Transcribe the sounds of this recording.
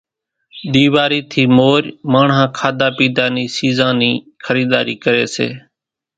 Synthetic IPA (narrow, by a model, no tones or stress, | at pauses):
ɗ̪iːʋaːɾiːt̪ʰiːmoːɾmaːɳɦãːkʰaːd̪aːpiːd̪aːniːsiːzãːniː | xʰəɾiːd̪a̰ːɾiːkəɾeːsḛː